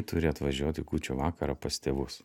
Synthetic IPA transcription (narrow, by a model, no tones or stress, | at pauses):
t̪ʊɾʲɪɐt̪ʋɐʒʲuɔt̪ʲɪkuːt͡ʃʲoːʋɑːkɐɾɑpɐst̪ʲeːʋʊs